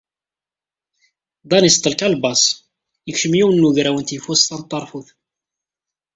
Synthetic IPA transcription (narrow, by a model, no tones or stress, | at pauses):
d̪ˤɑnist̪ˤːəlkælbɑsˤ | jəkʃəmjiwənːuʝɾæwənt̪jəfusθɑnt̪ˤːɑɾˤfuθ